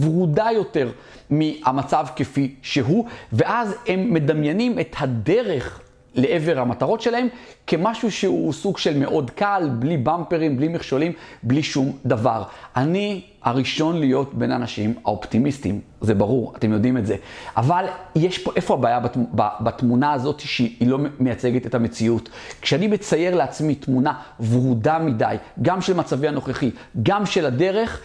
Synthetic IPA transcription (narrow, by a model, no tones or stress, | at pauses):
bʁudajo̞te̞ʁ | miamat͡savkefiʃe̞ɦuveʔaze̞mːe̞damjenimethadeʁe̞χ | le̞ʔeveʁhamataʁo̞tʃe̞lahe̞mke̞maʃuʃehusuɡʃe̞lme̞ʔo̞dkalblibampeʁimblimiχʃolimbliʃumd̪avaʁʔani | aʁiʃo̞nlijo̞tbe̞na̰naʃima̰optimistim | zebaʁuʁate̞mjo̞dimetzeʔavaljeʃpoʔe̞fo̞abaːjabababatmunaːzo̞tiʃeilo̞mejat͡se̞ɡetetamet͡siut | kʃeanime̞t͡saje̞ʁleat͡smitmunavʁudamidajɡamʃelmat͡saviano̞χeχi | ɡamʃe̞lade̞ʁe̞χ